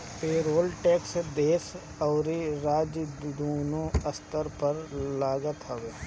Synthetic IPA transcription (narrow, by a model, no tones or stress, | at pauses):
peːɾoːlʈeːksd̪eːs | ɔːɾiɾaːd͡ʒd̪oːnoəst̪əɾpəɾlaːɡət̪ɦəʋeː